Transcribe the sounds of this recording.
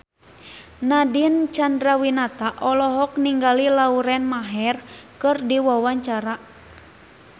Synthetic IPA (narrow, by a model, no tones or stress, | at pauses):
nadint͡ʃandɾawinat̪aʔɔlɔɦɔkniŋɡalilauɾɛnmaɦɛrkɨrdiwawaɲt͡ʃaɾa